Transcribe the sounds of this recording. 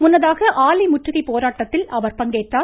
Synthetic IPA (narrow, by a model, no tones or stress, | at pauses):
mʊnːɐðaːɣɐʔaːlɐɪmʊʈrɯɣɐɪpoːɾaːʈːɐt̪ːɪlɐʋɐɾpɐŋɡeːt̪ːaː